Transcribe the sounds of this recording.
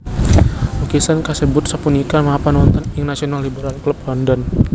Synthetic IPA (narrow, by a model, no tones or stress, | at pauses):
ukisankasəbʊt̪̚səpunikanməapanwɔnt̪ɔnɪŋnasionalːibəɾalklup̚lɔndɔn